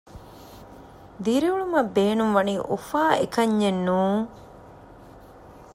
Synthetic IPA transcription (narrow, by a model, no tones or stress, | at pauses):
d̪iɾiuɭumɐbːeːnumʋɐniːʔufaːekɐɲːenːuːŋ